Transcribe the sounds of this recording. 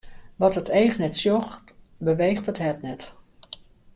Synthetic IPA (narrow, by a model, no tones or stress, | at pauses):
ʋɔtətejχnɛtsjɔxt | bəʋejχtəthɛtnɛt